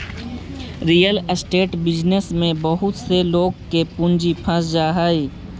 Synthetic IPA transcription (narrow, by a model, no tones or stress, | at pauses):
ɾijəlsʈeːʈbɪd͡ʒnesmẽbəɦʊt̪seloːɡ̚kepʊ̃nd͡ʒipʰə̃sd͡ʒaːɦaːiː